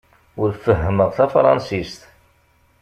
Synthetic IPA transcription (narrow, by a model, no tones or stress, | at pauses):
ʊɾfəɦːəməʁθæfɾˤɑ̰nsist̪